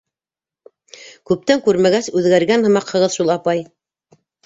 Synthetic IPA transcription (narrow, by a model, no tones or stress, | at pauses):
kʉp̚t̪æŋkʉɾmæɡæsʉðɡæɾɡænhɤ̆mɑqhɤ̆ʁɤðʃulˠɑpɑj